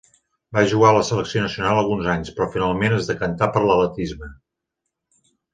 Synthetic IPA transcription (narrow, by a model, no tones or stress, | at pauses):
baʒuɣaləsələksionəsiunalˠəlˠɣunzaɲspɾɔfinalˠmenəzðəkənt̪apəɾlələt̪izmə